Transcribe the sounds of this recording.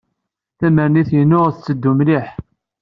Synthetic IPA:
θæməɾniθjənːʊʁθt͡sːəd̪ːumliħ

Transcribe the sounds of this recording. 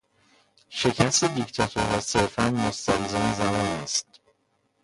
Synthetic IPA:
ʃe̞cʰæst̪ed̪ict̪ʰɒt̪ʰoɾɒːse̞ɾfænmost̪ʰæɾizɒːnezæmɒːnæst̪̚

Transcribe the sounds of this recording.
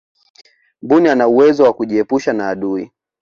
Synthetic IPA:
mbunianauwɛzɔwakuʄiɛpuʃanaːɗui

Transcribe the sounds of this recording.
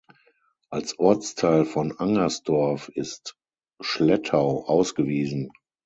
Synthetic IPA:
ʔalsʔɔɐt͡stʰaɪlfɔnaŋɐsd̥ɔɐfɪst | ʃlɛtʰaʊʔaʊsɡ̥əviːzn̩

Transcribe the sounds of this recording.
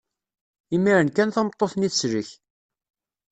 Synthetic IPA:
imːiɾənkænθɑmət̪ˤːoθniθəsɾəç

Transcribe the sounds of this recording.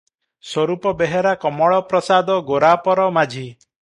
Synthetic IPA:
swɔɾupɔbeɦeɾakɔmɔɭɔpɾɔsad̪ɔɡoɾapɔɾɔmad͡ʒʱi

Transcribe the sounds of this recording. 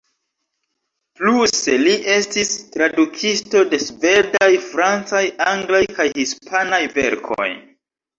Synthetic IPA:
pluse̞liʔe̞stistɾadukʰisto̞de̞sve̞dajfɾant͡sajaŋɡlajkajhispʰanajve̞̰ɾkʰo̞̰j

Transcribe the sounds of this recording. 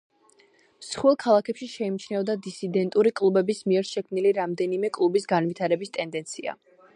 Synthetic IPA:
msχwɛlˠkʰalˠakʰɛpʃiʃɛimit͡ʃʰnɛvd̪ad̪isid̪ɛnt̪ʼuɾikʼlˠubɛbismiɛɾʃɛkʰmniliɾamd̪ɛnimɛkʼlˠubisɡanvit̪ʰaɾɛbist̪ʼɛnd̪ɛnt̪sʰia̰

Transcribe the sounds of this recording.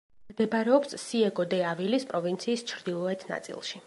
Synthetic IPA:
md̪ɛbɾɛɔpssiɛɡɔd̪ɛavilispʼɾɔvint̪sʰiːst͡ʃʰɾd̪ilˠɔɛt̪ʰna̰t̪sʼḭlˠʃi

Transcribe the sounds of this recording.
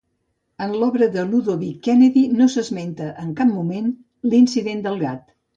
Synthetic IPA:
ənlɔβɾəðəluðoβikɛnəðinosəzment̪əʔəŋkap̚mumen | linsiðend̪əlˠɣat̪

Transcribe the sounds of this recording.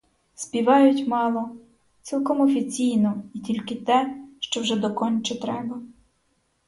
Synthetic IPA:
spʲiʋɑjʊtʲmɑlˠɔ | t͡sʲilˠkɔmɔfʲit͡sʲijnɔitʲilʲkɪt̪ɛʃt͡ʃɔwʒɛd̪ɔkɔnʲt͡ʃɪt̪ɾɛbɐ

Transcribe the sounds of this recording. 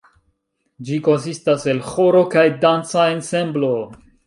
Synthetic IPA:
d͡ʒiko̞nsistase̞lxo̞ɾo̞kajdant͡saense̞mblo

